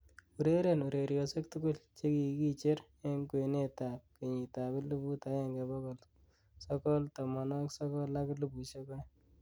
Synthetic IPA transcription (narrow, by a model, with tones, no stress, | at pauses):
u˨ɾe˦ɾe˨nu˨ɾe˨ɾjɔ˨se˦k̚tʊ˦ɡʊ˦lt͡ʃe˦ki˨ki˦t͡ʃe˦ɾ | e˦ŋkwene˦ta˨p̚ke˨ɲi˨ta˨bɪ˦lu˦bu˦ta˨˦jɛ˨ŋɡe˨bɔ˦kɔ˨l | sɔkɔ˦ltɔ˨mɔ˨nɔksɔ˦kɔ˦la˦klu˦bu˨ʃe˦kɔ˦